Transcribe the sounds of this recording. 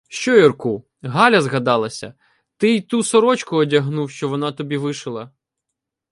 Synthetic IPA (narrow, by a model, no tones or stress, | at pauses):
ʃt͡ʃɔjɔrku | ɦɑlʲɐzɣɐd̪ɑlˠɐsʲɐ̰ | t̪ɪit̪usɔɾɔt͡ʃkʊɔdʲɐɦnuwʃt͡ʃɔʋɔnɑt̪ɔbʲiʋɪʃɪlˠɐ